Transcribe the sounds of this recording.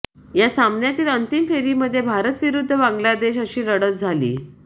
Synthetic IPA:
jasamnjat̪iːlənt̪imfeɾiːməd̪ʱːjebʱaɾət̪ʋiɾud̪ʱːəbaŋɡlad̪eɕəɕiːɾəɽət͡sd͡zʱalḭː

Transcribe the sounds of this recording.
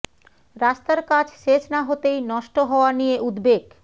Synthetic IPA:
ɾast̪aɾkat͡ɕʰʃet͡ɕʰnaɦot̪ejnɔʃʈoɦɔoanijeʔud̪beɡ

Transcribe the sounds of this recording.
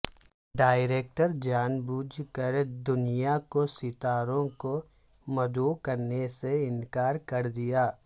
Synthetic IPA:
ɖaːɪɾeːk̚ʈəɾd͡ʒaːnbuːd͡ʒʱkəɾd̪ʊnijakosɪt̪aːɾõko | mɐd̪uːkɐɾneseɪnkaːɾkɐɾd̪ɪjaː

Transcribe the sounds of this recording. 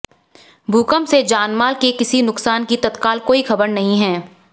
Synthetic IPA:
bʱuːkəmsed͡ʒaːnmaːlkekɪsinʊksaːnkit̪ɐt̪kaːlkoːixɐbəɾnɐɦĩɦɛː

